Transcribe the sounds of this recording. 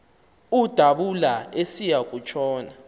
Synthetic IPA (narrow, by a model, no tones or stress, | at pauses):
ud̥ʱaɓulaesijak̬ʼut͡ʃʼʰɔːna